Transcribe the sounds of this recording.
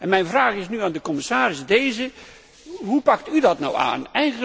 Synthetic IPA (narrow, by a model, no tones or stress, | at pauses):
ɛnmɛjnvraːχɪsnyaːndəkɔmɪsaːɾɪsdejzə | ɦupɑk̚tydɑtna̰wa̰ːnɛj